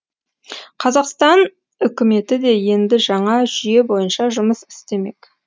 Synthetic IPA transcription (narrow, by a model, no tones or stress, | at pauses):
qʰɑzɑqst̪ɑn | ʏkʲɪme̞t̪ɪd̪e̞je̞nd̪ɪʒɑɴɑʒʏje̞bo̞jənʃɑʒʊməsɪ̥st̪e̞me̞̰kʲ